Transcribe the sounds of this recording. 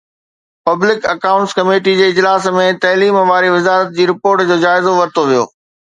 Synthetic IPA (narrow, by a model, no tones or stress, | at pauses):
pɐblɪkɐkaʊ̃ɳʈskɐmeːʈid͡ʑeːɪd͡ʑlaːsmẽt̪ɐɦliːmʋaːɾiʋɪzaːɾət̪̚d͡ʑiːɾɪpoːɾʈd͡ʑoːd͡ʑaːɪzoʋɐɾt̪ʰoʋijo̰ː